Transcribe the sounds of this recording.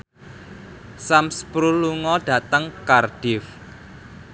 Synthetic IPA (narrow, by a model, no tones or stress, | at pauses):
samspɾuluŋɔɖ̥ä̤t̪əŋkarɖ̥ɪf